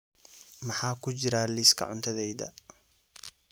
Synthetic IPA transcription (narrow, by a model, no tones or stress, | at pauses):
mɑħɑːkʰʊt͡ʃɪɾaːliːskʰɐ̰ʕʊnt̪ʰɐðɛjðɐ̰